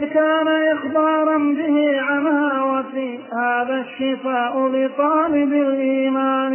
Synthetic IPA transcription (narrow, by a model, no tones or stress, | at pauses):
kaːnaʔɪxbɑːɾˤɑnbɪhiːʕanhaːwat̪ihaːðaʃːɪfaːʔʊlɪt̪ˤɑːlɪbɪlʔiːmaːn